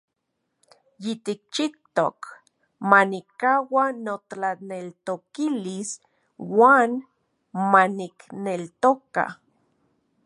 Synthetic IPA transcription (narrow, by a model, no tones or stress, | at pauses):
jit̪ik̚t͡ʃit̪o̰k | manikawanoanelt̪okilis | waːn | maniknelt̪oka̰